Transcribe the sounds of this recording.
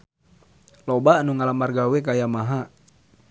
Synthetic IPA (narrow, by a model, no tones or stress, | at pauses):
lɔbanuŋalamarɡawɛkajamaɦa